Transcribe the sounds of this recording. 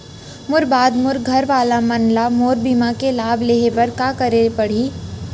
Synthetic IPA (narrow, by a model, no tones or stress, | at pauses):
mʊɾbaːd̪mʊɾɡʱɐɾʋaːlamɐnlamoːɾbiːmakelaːbʱleːɦepɐɾkaːkɐɾepɐɽ̤iː